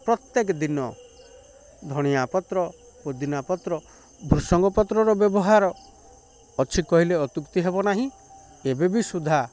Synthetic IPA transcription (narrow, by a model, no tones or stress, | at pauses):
pɾɔt̪jekd̪inɔ | d̪ʱɔɽ̃iapɔt̪ɾɔ | pod̪inapɔt̪ɾɔ | bʱuɾsɔŋɡɔpɔt̪ɾɔɾɔbjɔbɔɦaɾɔː | t͡ʃʰikɔɦileɔt̪ukt̪iɦebɔnaɦĩ | ebebisud̪ʱa